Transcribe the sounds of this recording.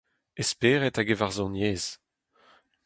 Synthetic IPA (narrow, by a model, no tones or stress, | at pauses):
espeːʁɛtaɡevaʁzɔ̃njeːz̥